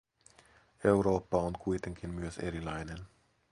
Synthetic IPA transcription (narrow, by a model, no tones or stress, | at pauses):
ewɾo̞ːpːɑonkujt̪e̞ŋkinmyøsḛɾilɑjnen